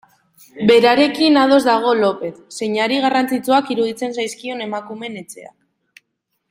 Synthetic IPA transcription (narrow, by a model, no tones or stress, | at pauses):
be̞ɾaɾe̞kinað̞o̞zd̪aɣ̞o̞lo̞pe̞t̪se̞ɲaɾiɣ̞arant͡sit͡suakiɾuð̞it͡se̞nsajskio̞ne̞makume̞ne̞t͡se̞̰a̰